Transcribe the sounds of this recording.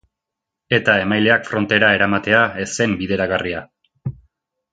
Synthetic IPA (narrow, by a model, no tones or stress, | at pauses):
e̞t̪ae̞majle̞akfɾo̞nt̪e̞ɾae̞ɾamat̪e̞ae̞se̞mbiðe̞ɾaɣaria